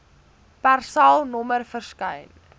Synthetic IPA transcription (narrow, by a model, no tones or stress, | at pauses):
pærsɐlˠnɔmərfərskəjn